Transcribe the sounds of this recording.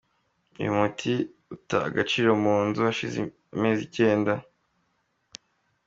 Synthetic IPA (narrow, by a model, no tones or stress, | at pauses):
ṵjumutʰi | uta̰ːɡat͡ʃiːɾomuːnzuaʃizḛ | me̞ːzice̞ːnda